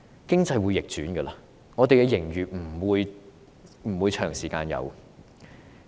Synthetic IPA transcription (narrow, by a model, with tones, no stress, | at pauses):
kɪ˥ŋt͡sɐ˧jwuː˨˧jɪ˨k̚t͡ʃyː˨˥nɡəː˧laː˧ | ŋɔː˨˧t̪e˨jkɛ˧jɪ˨˩ŋjyː˨m̩˨˩wuː˨˧j | m̩˨˩wuː˨˧jt͡ʃʰœː˨˩ŋsiː˨˩kaː˧njɐ̰˨˧w